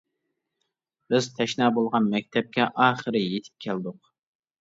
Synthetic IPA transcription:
b̥ɪz̥t̪ʰɛʃnɑːbolˠʁɑnmɛk̚ʲt̪ʰɛp̚kʲɛʔɑːχəɾɨjet̪ʰɪ̥p̚kʲʰɛld̪ʊq

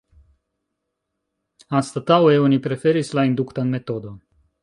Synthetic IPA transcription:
anst̪ət̪aweunipɾefeɾislaind̪ukt̪anmet̪od̪o

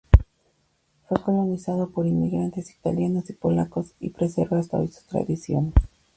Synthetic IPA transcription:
fwe̞ko̞lo̞nisað̞o̞po̞ɾinmiɣɾant̪e̞si̥t̪aljanosipo̞lakosḭpɾeseɾβaast̪ao̰jsu̥t̪ɾa̰ðisjo̞̰n

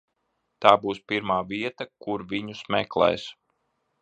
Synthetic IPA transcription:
t̪aːbuːspiɾmaːviɛt̪akuɾvʲiɲusmɛklˠɛ̰js

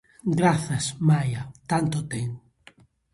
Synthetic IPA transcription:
ɡɾaθɐsmajat̪ant̪ot̪eŋ

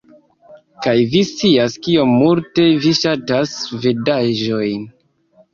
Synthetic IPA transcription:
kajvist͡siaskio̞mːulte̞viʃatasvedaʒo̞jn

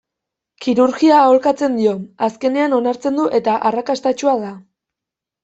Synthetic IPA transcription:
kiɾuɾɣiao̞lkat͡se̞nd̪io̞aske̞ne̞ano̞naɾt͡se̞nd̪uʔe̞t̪aʔarakast̪at͡ʃuaða

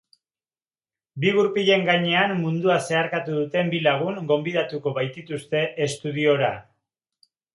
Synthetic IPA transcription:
biɣuɾpiʎe̞ŋɡaɲe̞amːund̪uase̞aɾkat̪uðut̪e̞mbilaɣ̞uŋɡo̞mbiðat̪uko̞βajt̪it̪ust̪e̞ʔest̪uð̞io̞ɾa

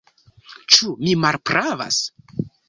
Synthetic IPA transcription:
t͡ʃumimaɾpɾava̰s

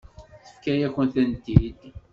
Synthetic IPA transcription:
θə̥fkæjæçənθænt̪id̪

